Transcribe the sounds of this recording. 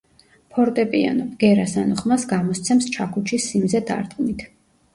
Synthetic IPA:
pʰɔɾt̪ʼɛpʼia̰nɔpʼɡ̥ɛɾasanɔχmasɡamɔst̪sʰɛmst͡ʃʰakʰut͡ʃʰisimzɛd̪a̰ɾt̪ʼqʼnit̪ʰ

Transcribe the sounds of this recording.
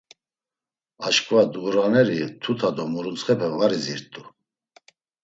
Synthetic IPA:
aʃkʼvad̪uɣɾanɛɾit̪ʰut̪ʰad̪ɔmuɾut͡sχɛpʰɛvʁaɾiziɾt̪ʼu

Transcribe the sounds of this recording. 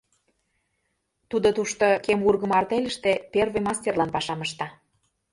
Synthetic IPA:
t̪ud̪ot̪uʃt̪okemurɣə̆mɑrt̪elʲə̆ʃt̪ĕpervə̆jmɑsʲtʲerlɑnpɑʃɑməʃt̪ɑ

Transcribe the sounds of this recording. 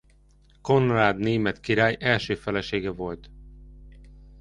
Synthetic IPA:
ko̞nraːd̪neːmɛt̪kiɾaːjʔɛlʃøːfɛlɛʃeːɡɛvo̞lt̪

